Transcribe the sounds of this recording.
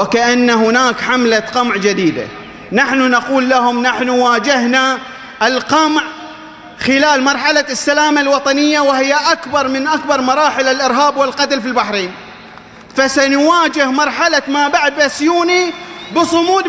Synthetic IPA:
wɪkaʔanːaɦʊnaːkħamlaqɑmʕd͡ʒad̪iːd̪a̰ | naħnunaquːlːahʊmnaħnuwaːd͡ʒɪɦna | ʔɪlqɑmʕ | xɪlaːlmɑɾˤħalasːalaːmalwɑt̪ˤɑnɪjːawɪhɪjːaʔakbɑɾˤmɪnʔakbɑɾˤmɑɾˤɑːħɪlalʔɪɾɦaːbwɪlqɑt̪ɪlfilbaħɾiːn | fasanwaːd͡ʒɪhmɑɾˤħalamaːbaʕd̪̚basjuːnibɨsˤʊmuːd̪

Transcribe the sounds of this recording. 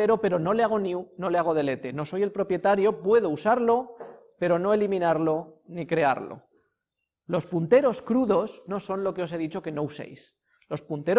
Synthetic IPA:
eɾo̞pe̞ɾo̞no̞leaɣ̞o̞niuno̞leaɣ̞o̞ð̞e̞le̞t̪e̞no̞so̞je̞lpɾo̞pje̞t̪aɾjo̞pwe̞ð̞ousaɾlo̞ | pe̞ɾo̞no̞e̞limĩnaɾlo̞nikɾe̞a̰ɾlo̰ | lo̞spunt̪e̞ɾo̞skɾuðo̞sno̞so̞nlo̞ke̞ose̞ð̞it͡ʃo̞ke̞no̞use̞̰js | lo̞spunt̪e̞ɾ

